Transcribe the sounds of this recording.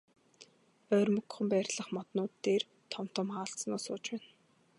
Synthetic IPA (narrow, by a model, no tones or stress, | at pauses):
œːrmɵ̆kχɵ̆mpæːrʲɮə̆χmɔt̪nʊːt̪ːeːr | t̪ʰɔm̥t̪ə̆maːɬt͡st͡snʊːsʊːt͡ɕpæːn